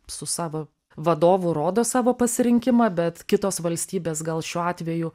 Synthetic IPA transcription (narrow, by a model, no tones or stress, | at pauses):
sʊsɑːʋoː | ʋɐd̪oːʋʊɾoːd̪oːsɑːʋoːpɐsʲɪɾʲɪŋʲkʲɪmɑbʲɛt̪kʲɪt̪oːsʋɐlʲsʲt̪ʲiːbʲeːsɡɐlˠʃʲuːɑːt̪ʲʋʲɛjʊ